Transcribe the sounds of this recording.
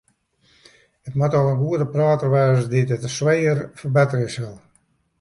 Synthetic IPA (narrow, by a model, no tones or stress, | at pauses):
ət̚matɔlənɡuədəpraːtərʋɛːsditətəswejərfərbɛtərɪsʋɪlˠ